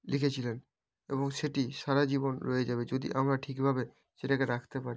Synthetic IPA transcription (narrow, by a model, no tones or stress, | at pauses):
likʰet͡ɕʰilen | eboŋʃeʈiʃaɾad͡ʑibonɾoed͡ʑabed͡ʑod̪ḭʔamɾaʈʰikbʱabe | ʃeʈakeɾakʰt̪epaɾi